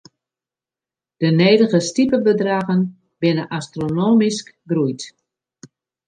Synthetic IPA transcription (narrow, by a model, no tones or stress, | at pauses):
d̥əneːdəɣəstipəbədraɣən | bɪnəʔastronoːmiskɡrujt